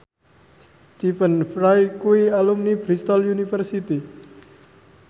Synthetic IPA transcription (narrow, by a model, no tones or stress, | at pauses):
s | t̪ifənfrajkuialumnibɾist̪ɔljunifərsit̪i